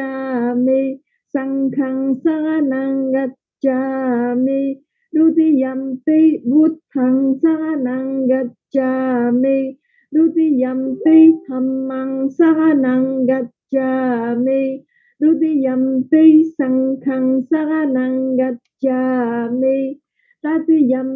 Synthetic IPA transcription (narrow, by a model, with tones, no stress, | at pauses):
a˧me˧ | sa˧ŋkʰa˧ŋsa˦ka˧na˧ŋɡa˧t̪̚t͡ʃa˧me˧ | ɾu˦t̪i˦ja˧mt̪e˦bu˦t̪̚hʰa˨ŋsa˦ka˦na˧ŋɡa˧t̪̚t͡ʃa˧me˧ | ɾu˦t̪i˦ja˧mt̪e˦t̪ʰa˨˧mːa˧ŋsa˦ka˦na˨˧ŋɡa˧t̚t͡ʃa˧me˧ | ɾu˦t̪i˦ja˨mt̪ie˦jsa˧ŋkʰa˧ŋsa˦ka˦na˧ŋɡa˧t̪̚t͡ʃa˧˨me˧ | t̪a˦t̪i˦ja˧m